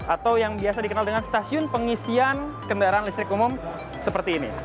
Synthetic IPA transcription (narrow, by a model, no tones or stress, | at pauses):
ʔat̪awjaŋbiasadikənaldəŋanst̪asiʊnpəŋisian | kəndaɾaanlist̪ɾɪkumʊm | səpərt̪iːnḭ